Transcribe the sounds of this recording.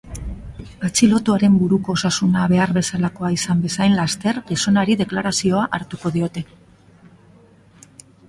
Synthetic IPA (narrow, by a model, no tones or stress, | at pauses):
at͡silo̞t̪uaɾe̞mbuɾuko̞ːsasunaβe̞aɾβe̞salako̞aisambe̞sajnlast̪e̞rɣiso̞naɾiðe̞klaɾasio̞aʔaɾt̪uko̞ðio̞t̪e̞